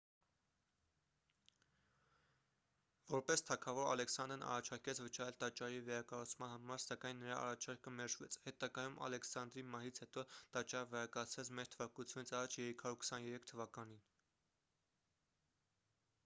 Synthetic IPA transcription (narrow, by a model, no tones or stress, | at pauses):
vɔɾpɛst̪ʰɑkʰɑvɔɾɑ̰lɛksɑnd̪ɾnɑ̰rɑt͡ʃʰɑɾkɛt͡sʰvət͡ʃɑɾɛlt̪ɑt͡ʃɑɾivɛɾɑkɑrut͡sʰmɑnhɑmɑɾsɑkɑjnːəɾɑʔɑ̰rɑt͡ʃʰɑɾkəmɛɾʒvɛ̰t͡sʰhɛt̪ɑɡɑjumɑ̰lɛksɑnd̪ɾimɑɦit͡sʰhɛt̪ɔt̪ɑt͡ʃɑɾəvɛɾɑkɑt͡sʰvɛt͡sʰmɛɾt̪ʰəvɑkut͡sʰjunit͡sʰɑrɑt͡ʃʰjɛɾikʰɑɾjuɾkʰsɑnjɛɾɛkʰt̪ʰəvɑkɑnin